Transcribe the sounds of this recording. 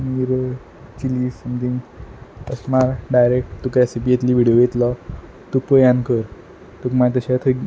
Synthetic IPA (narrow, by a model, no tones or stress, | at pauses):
niɾə | t͡ɕilisəmt̪ʰĩŋɡəsmaɾɖajɾek̚ʈt̪ukɾesipijet̪liːʋiɽijojet̪lɔ | t̪ukpəjãnkəɾ | t̪ukmat̪əɕat̪ʰə